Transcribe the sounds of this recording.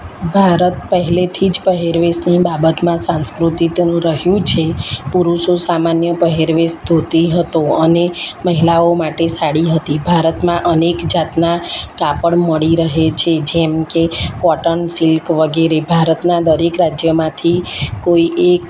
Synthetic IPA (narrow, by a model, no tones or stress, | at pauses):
bʱaɾət̪pəɦɛlet̪ʰid͡ʒpəɦeɾʋesnibabət̪mãsãskɾut̪it̪nũɾəɦjũt͡ʃʰepuɾuʃosamanjəpəɦeɾʋesd̪ʱot̪iɦət̪oəneməɦilaomaʈesaɽiɦət̪ibʱaɾət̪mãʔənekd͡ʒat̪nakapəɽməɭiɾəɦet͡ʃʰed͡ʒemkekɔʈənsilkʋəɡeɾebʱaɾət̪nad̪əɾekɾad͡ʒjəmãt̪ʰikoiʔek